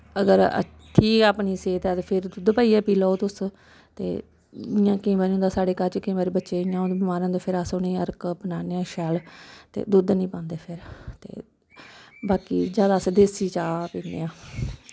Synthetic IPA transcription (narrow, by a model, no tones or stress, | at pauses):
əɡəɾə̰tt̪ʰːiːaːpniːseːt̪ɛːt̪eːpʰɪɾd̪ʊd̪paːiːɛːpiːlooːt̪ʊs | t̪ḛː | ɪjãːkĩːʋaːɾiːʊ̃nd̪aːsaːɖeːkəɾt͡ʃkĩːʋaːɾiːbətːʃeːɪjãːond̪eːbɪmaːɾãnd̪eːpʰɪɾaːsoːnĩːəɾkpənaːneãːʃɛːlt̪ḛːd̪ʊd̪nĩːpãːnd̪eːpʰɪɾt̪ḛː | baːkḭːd͡ʒjaːd̪aːsd̪eːsiːt͡ʃaːpiːnd̪ḛːãː